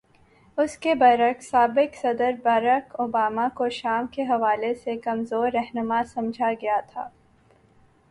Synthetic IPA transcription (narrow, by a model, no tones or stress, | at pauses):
ʊskebɐːɾəksaːbɪksɐd̪əɾbaːɾəkoːbaːmakoʃaːmkeɦɐʋaːlesekɐmzoːɾːɛɦnʊmasɐ̃md͡ʒʱaɡɐjat̪ʰa̰ː